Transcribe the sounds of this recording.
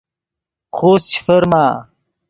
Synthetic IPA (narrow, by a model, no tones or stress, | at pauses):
xoːst͡ɕʰi̥fɐɾmaː